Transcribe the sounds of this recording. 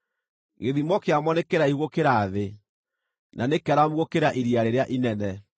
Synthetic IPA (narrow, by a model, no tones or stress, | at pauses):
ɣeðimɔkeamwɔnekeɾaihuɣokeɾaːðe | nʔanekɛɾamuɣokeɾaʔiɾiaɾeɾeaʔinɛnɛ